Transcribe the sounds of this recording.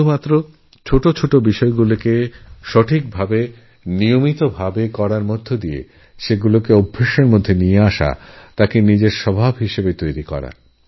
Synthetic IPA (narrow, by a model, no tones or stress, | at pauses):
umat̪ːɾo | t͡ɕʰoʈot͡ɕʰoʈobiʃɔeɡulokeʃɔʈʰik̚bʱabe | niomit̪obʱabekɔɾaɾmod̪ʱːod̪iḛ | ʃeɡulokeobʱːeʃeɾmod̪ʱːenijeaʃa̰t̪akenid͡ʑeɾʃɔbʱabɦiʃebet̪ojɾikɔ̰ɾa̰